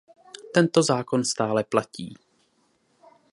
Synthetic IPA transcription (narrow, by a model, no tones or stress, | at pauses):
t̪ɛnt̪o̞zaːko̞nst̪aːlɛplaciː